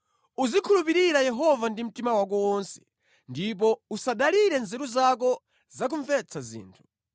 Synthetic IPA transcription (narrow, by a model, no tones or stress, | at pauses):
uzikʰulupiɾiɾajɛɦɔvandim̩timawak̬ɔwɔnsɛ̥ | ndip̬ɔusaɗaliɾɛnzɛɾuzak̬ɔ | zak̬uɱvɛt͡sʰazḭːntʰu̥